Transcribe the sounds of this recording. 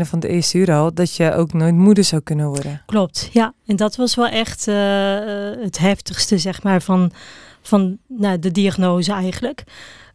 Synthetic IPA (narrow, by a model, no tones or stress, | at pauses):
nəfɔndəɪəstəyːɾəɔlˠdɔtjəʔoːknoːjtmudəɹsawkønəʋɔrdəklɔp̚tjaɛndɔtʋɔsʋɛlˠʔɛxtə | ətɦɛftəxstəzɛxmaːɹfɔnfɔnnadədiaɣnoːzəɛjɣənlək